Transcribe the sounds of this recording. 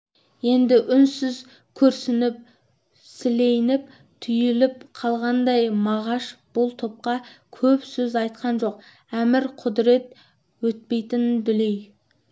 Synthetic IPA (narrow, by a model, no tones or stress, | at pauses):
je̞nd̪ɪʔʏnsɪz | kʲʰɵɾsɪnɪp̚ | sɪle̞jnɪp | t̪ʰʏjɪlɪpqʰɑlˠʁɑnd̪ɑjmɑʁɑʃb̥ʊlˠt̪ʰop̚qɑkʲʰɵpsɵzɑjt̪̚qɑnʒo̞q̚ | æmɪɾqʰʊd̪ɾe̞t̪ | wɵt̪̚pe̞jt̪ɪnbɪlej